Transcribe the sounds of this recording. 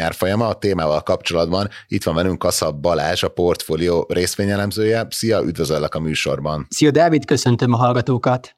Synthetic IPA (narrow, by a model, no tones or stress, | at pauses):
aːrfo̞jɒmɒːt̪eːmaːvɒlkɒpt͡ʃo̞lɒd̪bɒnit̪ʋɒɱvɛlyŋkɒsɒbɒlaːʃɒpo̞rt̪foːlijoːrʔeːst̪ʋeːɲɛlɛmzøːjɛsijɒʔyd̪vøzølːɛkɒmyːʃo̞̰rbɒnsiod̪aːvit̪kø̞sø̞nt̪ømɒɦɒlɡɒt̪oːkɒt̪